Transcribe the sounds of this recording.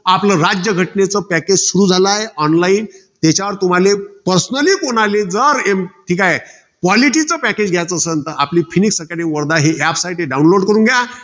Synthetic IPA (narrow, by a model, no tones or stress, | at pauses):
apləɾad͡ʑjəɡʱəʈnet͡səpæked͡ʑsuɾuːd͡zʱalajeʔɔnlaiːn | t̪jat͡ɕaʋəɾt̪um̤alepəɾsənəliːkonaled͡zəɾemʈʰiːkaje | kʋaliʈit͡səpæked͡ʑɡʱjat͡səːsəənt̪əʔapliːfiniksəkaɽĩʋəɾd̪aɦeɛpsaiʈeɖaunloɾɖkəɾũːŋɡʱja